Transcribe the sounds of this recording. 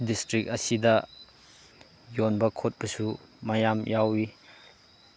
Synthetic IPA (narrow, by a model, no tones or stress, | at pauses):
distɾik̚ɐsidɐ | jonbɐkʰot̚bɐsumajamjawi